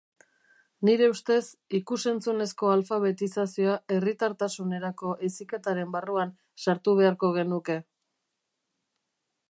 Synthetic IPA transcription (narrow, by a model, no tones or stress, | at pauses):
niɾe̞ust̪e̞sikuse̞nt͡sune̞sko̞alfaβ̞e̞t̪isasio̞ae̞rit̪aɾt̪asune̞ɾako̞ʔesike̞t̪aɾe̞mbaruan | saɾt̪uβ̞e̞aɾko̞ɣ̞e̞nuke̞